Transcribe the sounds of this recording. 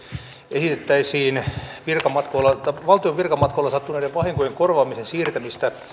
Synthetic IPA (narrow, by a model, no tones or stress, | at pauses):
esit̪et̪ːæisiːnʋirkɑmɑt̪koilːɑɑʋɑlt̪ioʋʋirkɑmɑt̪koilɑsɑt̪ːunæideʋʋɑhiŋkojeŋkorʋɑːmisensiːrt̪æmist̪æ